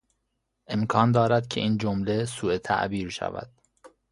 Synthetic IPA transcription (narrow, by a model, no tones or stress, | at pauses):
ʔe̞mkʰɒːnd̪ɒːɾæd̪cʰeʔiːnd͡ʒomlesuːet̪ʰæ̰ʔbiːɾʃæ̰væ̰d̪̥̚